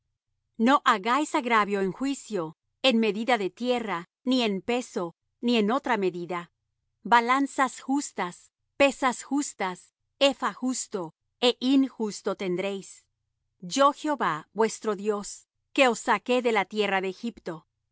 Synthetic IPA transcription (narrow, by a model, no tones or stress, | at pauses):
no̞ʔaɣajsaɣɾaβjo̞eŋxwisjo | e̞nme̞ðiðaðe̞t̪je̞ra | nie̞mpe̞so̞ | nieno̞t̪ɾame̞ðiða | balansasxust̪as | pe̞sasxust̪as | efaxust̪o̞ | e̞ʔinxust̪o̞t̪e̞nd̪ɾe̞js | d͡ʒo̞xeo̞βabwe̞st̪ɾo̞ðjo̞s | ke̞o̞sːake̞ðe̞lat̪je̞raðeːxipt̪o̞